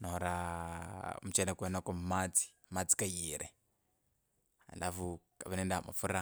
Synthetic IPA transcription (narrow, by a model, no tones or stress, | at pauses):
naɔɾa | m̩ut͡ʃɛnakwɛnɔkɔmmat͡si̥ | mat͡si̥kajiɾʔɛ | a̰lafukaβanɛndama̰fuɾa